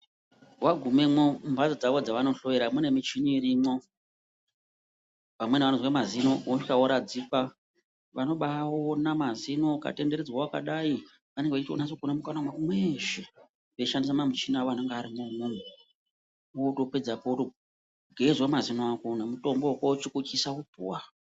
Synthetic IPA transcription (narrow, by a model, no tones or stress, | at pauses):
waɡʱumemoumbʱad͡zad͡zaʋo̞d͡zaʋano̞ɬo̞ʋeɾamune̞mit͡ʃiniɾimo | pamwe̞neʋanozwemazino̞woikaoɾad͡zipa | ʋano̞ɓaonamazino̞ka̰te̞nde̞ɾed͡zwawaka̰ɗai | ʋane̞ŋɡeʋat͡ʃitio̰nasoɡʱonamukanamwakumweʃe | ʋe̞ʃandisamamut͡ʃinaaneŋɡeaɾimamune | toped͡zapoto | ɡʱezwamazinoakonamuto̞mbokot͡ʃikut͡ʃisaupuwa